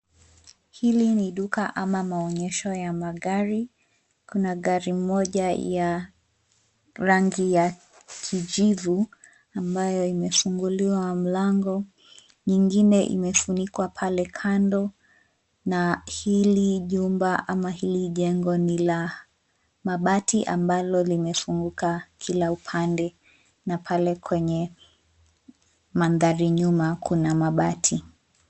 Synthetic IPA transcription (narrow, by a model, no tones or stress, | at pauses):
hiliniɗukaʔamamaɔɲɛʃɔjamaɠaɾi | kunaɠaɾim̩mɔʄaja | ɾaŋɡija | kʰiʄivu | ambajɔimɛfuŋɡuliwam̩laŋɡɔ | ɲiŋɡinɛʔḭmɛfunikwapʰalɛkʰandɔ | nahiliʄumbaʔamahiliʄɛŋɡɔnila | maɓatʰiʔambalɔlimɛfuŋɡukakʰilaupʰandɛ | napʰalɛkwɛɲɛ | manðaɾiɲumakʰunamaɓatʰi